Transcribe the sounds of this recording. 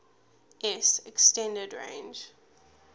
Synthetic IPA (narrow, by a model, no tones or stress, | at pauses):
ʔɛsɛkstɛ̃ndədɹḛ̃ɪnd͡ʒ